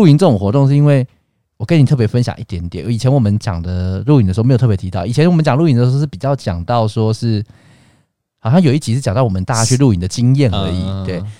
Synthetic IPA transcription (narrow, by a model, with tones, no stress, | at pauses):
u˥˩i˧˥nt͡sɤ˥˩ʊ˨˩ŋxwɔ˧˥t̪o˥˧ŋʂ̬ɻ̩˥˩i˦˥nwe˥˩ɪ | wɔ˨˩kə˦nʰ˨˩ɤ˥˩pjfə˦nɕjɑ̰˨˩ŋʔi˥˩t̪jɛ˧˥nt̪jɛ˨˩nʔə˧˦˥i˨˩t͡ɕʰjɛ˧˦nwɔ˨˩mə˦nt͡ɕjɑ̰˨˩ŋd̪ə˩ɻu˥˩i˥˩ndə˩˧˥tʰɤ˥˩jt̪ʰi˧t̪ɑ˥˩i˨˩t͡ɕʰjɛ˦nwɔ˨˩mə˦nt͡ɕjɑ˨ŋlu˥˩i˥nə˩ʂ̩˧˥ʂ̩˥˩pi˨˩t͡ɕjɑ˥˩ʊt͡ɕjɑ̰˨˩ŋt̪ɑ˥˨ʊʂwɔ˥ʂɻ̩˥˩ | hɑ˨ʊɕjɑ˥˩ŋjo˨˩ʊi˥˩t͡ɕi˧˥ʂ̩ɻ̩˥˩t͡ɕɑ˨ŋt̪ɑ˥˩wɔ˨mə˦nt̪a˥˧t͡ɕa˥t͡ɕʰɥɛ˥ɻu˥˧˩i˨˩nd̪ə˨t͡ɕi˦ŋjɛ˥˨˩nə̰˧˦ḭ˨˩t̪we˥˩ɪ